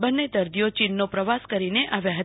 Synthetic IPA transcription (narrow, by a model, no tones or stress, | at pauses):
bənːed̪əɾd̪ijot͡ʃinːopɾəʋaskəɾineʔaʋjaɦə